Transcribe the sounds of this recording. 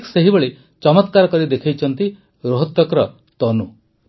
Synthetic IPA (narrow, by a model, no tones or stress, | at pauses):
kseɦibeɭe | t͡ʃɔmɔt̪kaɾɔkɔɾid̪ekʰajt͡ʃʰɔnt̪i | ɾoɦɔt̪ːɔkɾɔ | t̪ɔnu